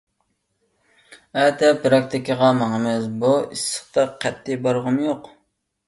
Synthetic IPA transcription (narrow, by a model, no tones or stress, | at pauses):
ɛt̪ʰɛpɾɑk̚t̪ɪkʰʲiʁɑmɑŋəmɪzbuisə̥χt̪ʰɑqʰːæt̪ʰːɪbɑɾʁəmjoq